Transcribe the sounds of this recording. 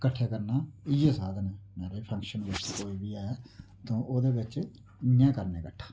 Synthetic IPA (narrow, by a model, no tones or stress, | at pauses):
kəʈʰːeːkəɾnaːɪjeːsaːd̪nɛːmɛ̃ːɾepʰə̃ŋkʃənʋɪʃt̪koːiːbiːɛː | t̪õːʔoːd̪eːbɪt͡ʃː | ẽːkəɾneːkəʈʰːḁː